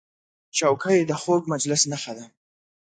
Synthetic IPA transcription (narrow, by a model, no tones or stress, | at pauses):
t͡ʃawkajd̪əxoɡ̚mad͡ʒlɪsnaxad̪a